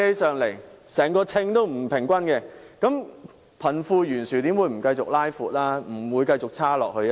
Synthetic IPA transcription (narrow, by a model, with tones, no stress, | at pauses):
e˧jsœː˨ŋle˨˩jsɛː˨˩ŋkɔː˧t͡sʰɪ˧ŋt̪o˥wm̩˨˩pʰɪ˨˩ŋkʷɐ˥nkɛ˧kɐ˨˥m | pʰɐ˨˩nfuː˧jyː˨˩nsyː˨˩t̪iː˨˥mwuː˨˧jm̩˨˩kɐ˧jt͡sʊ˨k̚laː˥jfuː˨t̚laː˥m̩˨˩wuː˨˧jkɐ˧jt͡sʊ˨k̚t͡sʰaː˥lɔ̰ː˨k̚hɵ˧